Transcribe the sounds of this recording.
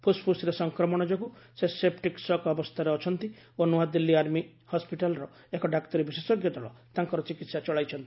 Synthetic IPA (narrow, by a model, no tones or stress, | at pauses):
pʰuspʰusiɾesɔŋkɾɔmɔɽ̃ɔd͡ʒɔkusesep̚ʈiksɔkɔbɔst̪ʰaɾeɔt͡ʃʰɔnt̪i | onuad̪ilːiaɾmi | hɔspiʈalɔɾɔ | ekɔɖakt̪ɔɾibisesɔɡjɔt̪ɔɭɔt̪aŋkɔɾɔt͡ʃikit̪sat͡ʃɔɭajt͡ʃʰɔnt̪ii̥